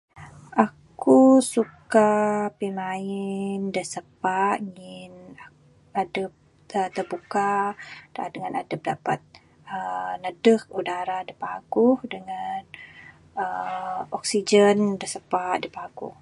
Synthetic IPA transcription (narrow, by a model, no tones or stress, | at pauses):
ʔakusukapimaɪndəsəpaʔŋɪna | adəp̚ | ət̪ərbukad̥a̰dəŋanadəp̚dapat̪̚ | ənədək̚udaɾadəpaɡʊhdəŋan | əɔk̚sid͡ʒəndəsəpaʔ̚dəpaɡʊ̰h